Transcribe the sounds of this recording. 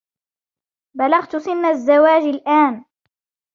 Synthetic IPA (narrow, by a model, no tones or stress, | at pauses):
balaɣt̪ʊsɪnːazːawaːd͡ʒalʔaːn